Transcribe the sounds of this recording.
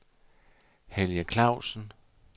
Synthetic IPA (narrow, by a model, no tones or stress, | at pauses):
heljəkʰlɑ̈ʊ̰sən